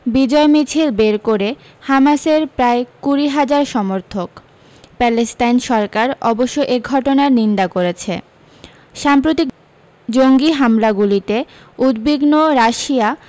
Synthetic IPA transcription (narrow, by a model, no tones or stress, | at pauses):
bid͡ʑɔemit͡ɕʰilbeɾkoɾe | hamaseɾpɾaekuɾiɦad͡ʑaɾʃɔmoɾt̪ʰok | pɛlesʈajnʃɔɾkaɾɔboʃːoʔeɡʱɔʈonaɾnind̪akoɾet͡ɕʰḛ | ʃampɾot̪ik | d͡ʑoŋɡiɦamlaɡulit̪e | ud̪biɡnoɾaʃia